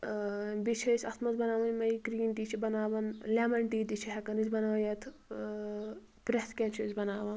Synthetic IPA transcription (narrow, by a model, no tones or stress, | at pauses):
bit͡ʃʰɐsʰʲɐt̪ʰmɐzbɐnaːʋɐnʲmɐikɾiːnt̪it͡ʃʰibɐnaːʋɐnleːmɐɳʈiːt̪it͡ʃʰiɦɐkɐnizbɐnaʋjɐt̪ʰ | pɾet̪ʰkʲent͡ʃʰizbɐnaːʋɐn